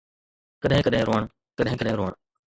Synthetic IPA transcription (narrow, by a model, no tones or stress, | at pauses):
kəɗɦɪ̃ːkəɗɦẽːɾoːəɳ̃ | kəɗɦɪ̃kəɗɦẽːɾoːəɳ